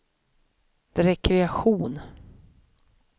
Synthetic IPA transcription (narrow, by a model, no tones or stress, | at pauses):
dɾɛkʰɾɛaɧuːn